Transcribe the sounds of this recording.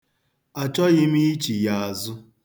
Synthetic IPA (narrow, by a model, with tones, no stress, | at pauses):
a˨t͡ʃɔ˦ɣɪ˦m̩˦i˦i˦t͡ʃi˨ja˨a˨zʊ˦